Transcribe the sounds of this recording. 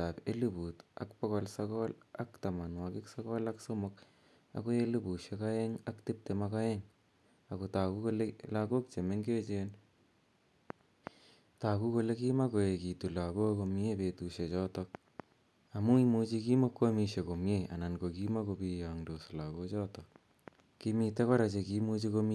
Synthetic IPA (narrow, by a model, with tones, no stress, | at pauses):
tape˦lu˦bu˨ta̰˨kpɔ˦ɣɔlsɔkɔla˦kt̪a˨ma˨nwakɪksɔɣɔ˦laksomʊk | a̰ko˦elubu˨ʃeka˦eŋaktɪ˦p̚temaka˦ɛŋ | a˨kota˨ku˦kolelako˦k̚t͡ʃe˨me˦ŋɡe˦t͡ʃen | ta˨ku˦ko˧le˦ki˦ma˦ko˨je˨ki˨tu˨la˨ko˦ko˧mjepe˨tuʃe˨t͡ʃɔ˦tɔk̚ | a˨mu˦i˦mu˦t͡ʃi˧ki˦mo˦kwo˦mi˧ʃe˨ko˨mjea̰˨na˨nko˨ki˦ma˦ko˧pi˧jaŋdo˨so˨lako˦t͡ʃɔ˦tɔk | kimi˨te˦kɔ˦ɾa˨t͡ʃe˧ki˦mu˦t͡ʃiko˧m